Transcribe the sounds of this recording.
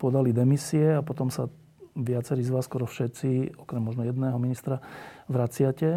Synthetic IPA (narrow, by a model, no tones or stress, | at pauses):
pɔd̪alid̪ɛmisiɛapɔt̪ɔmsa | ʋɪat͡sɛɾiːzʋaːsːkɔɾɔfʃɛt̪st͡siɔkɾɛmːɔʒnɔjɛd̪nɛːɦɔminist̪ɾaʋɾat͡sɪacɛ